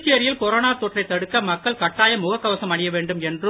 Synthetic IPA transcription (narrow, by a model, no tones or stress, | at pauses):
t͡ʃːɪjɐɾɪjɪlkɔɾoːnaːt̪oːʈrɐɪt̪ːɐɽɯkːɐmɐkːɐɭkɐʈːaːjɐmʊɣɐkːɐʋɐsɐmɐɳɪjɐʋeːɳɖɯmɛndrɯ